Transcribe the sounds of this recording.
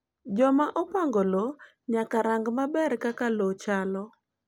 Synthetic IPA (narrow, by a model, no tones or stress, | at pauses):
d͡ʒɔmaʔɔpaŋɡolo | ɲakaɾaŋɡmabɛrkakalot͡ʃalɔ